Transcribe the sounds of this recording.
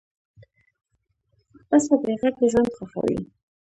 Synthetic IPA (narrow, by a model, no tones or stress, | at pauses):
pasab̪ɾeɣakeʒwand̪xaxa̰wḭ